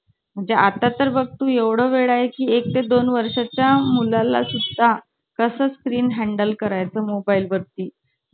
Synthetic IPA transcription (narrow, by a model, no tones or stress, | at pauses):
m̤əɳd͡zeʔat̪ːat̪əɾbəɡ̚t̪uːjeʋɽ̤oʋeɭaɦekiːek̚t̪ed̪onʋəɾʂat͡ɕjamulala̰sud̪ʱa | kəsəskɾiːnɦæɳɖəlkəɾajt͡səːmobailʋəɾt̪iː